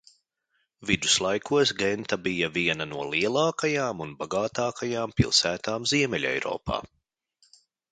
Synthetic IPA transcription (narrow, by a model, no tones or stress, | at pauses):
vid̪uslˠajkʰuɔsɡɛnt̪abijɐviɛnɐnuɔlˠiɛlˠɑːkajaːmunbaɡaːt̪aːkajaːmpḭlˠsæːt̪aːmziɛmɛlʲɛ̰jɾɔ̰ːpʰa̰ː